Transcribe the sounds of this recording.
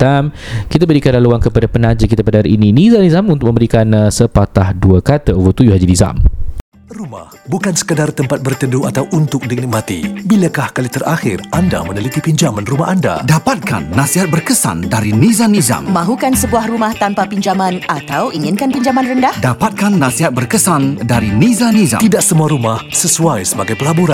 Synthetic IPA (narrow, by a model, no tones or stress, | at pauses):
t̪amkit̪abəɾikanlaluankəpadapənãd͡ʒəkit̪apadaɾiininizanizamunt̪ʊk̚mə̃mbəɾikansəpat̪ahduəkat̪əwət̪ujuɦad͡ʒiniza̰m | ruma̰hbukansə̥kədart̪əmpat̪̚bərt̪əduat̪awʔunt̪ʊk̚dəŋnik̚mat̪ḭbilakahkalit̪ərʔaxɪ̰randa̰mənəlit̪ipiɲd͡ʒamanrumaɦanda̰dapat̪̚ka̰nːãsiɦat̪̚bərkəsa̰ndaɾinizanːiza̰mmãɦukansəbuahrumaht̪anpapiɲd͡ʒamanat̪awiŋɪnkanpiɲd͡ʒamanrəndahdapat̪̚kanːãsiɦat̪̚bərkəsandaɾinĩzaniza̰t̪idaʔsəmuaɾumahsəsuajsəbaɡajpəlabuɾa